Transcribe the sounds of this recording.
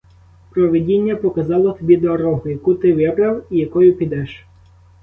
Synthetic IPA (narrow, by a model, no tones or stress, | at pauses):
pɾɔʋedʲinʲːɐpɔkɐzɑlˠɔt̪ɔbʲid̪ɔːɾɔɦʊjɐkut̪ɪʋɛbɾɑwijɐkɔjʊpʲid̪ɛʃ